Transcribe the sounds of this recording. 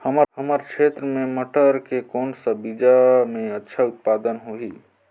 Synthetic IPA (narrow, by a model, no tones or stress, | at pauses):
həməhəməɾkʃʰeːt̪ɾəmẽməʈəɾkekɔːnsəbid͡ʒamẽətːʃʰaʊt̪̚paːd̪ənɦoɦi